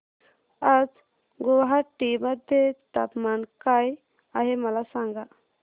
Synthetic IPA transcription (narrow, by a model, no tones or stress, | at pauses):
ad͡z | ɡɔʋɦaʈiməd̪ʱjet̪apmankaj | aɦeməlasãŋɡa